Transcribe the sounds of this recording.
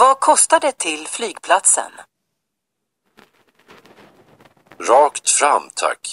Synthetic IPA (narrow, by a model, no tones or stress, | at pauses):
vakʰɔst̪ad̪ɛt̪ʰɪlflyːɡpʰlat̪sə̰n | ɾɑːkt̪fɾamt̪ʰa̰kː